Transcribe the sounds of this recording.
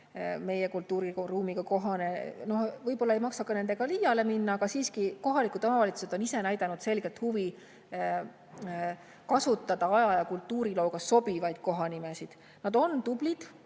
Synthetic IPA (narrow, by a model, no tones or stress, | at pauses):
me̞jekult̪ːuːɾiruːmiɡ̥ɑko̞ɦɑne̞no̞hvɤjbo̞lːɑe̞jmɑksɑkːˑɑne̞nd̪̥e̞ɡ̥ɑlijɑle̞minːɑɑɡ̥ɑsiːskiko̞ɦɑlikˑud̪o̞mɑvɑlʲit̪su̥sed̪̥o̞nise̞næjd̪̥ɑnud̪̥se̞lɡ̥et̪huvi | kɑsut̪ˑːɑd̪̥ɑɑjɑjɑkult̪ːˑuːɾilo̞ːɡ̥ɑso̞b̥ivɑjd̪̥̚ko̞ɦɑnimesid̪̥ | nɑd̪̥o̞nt̪ub̥lid̪̥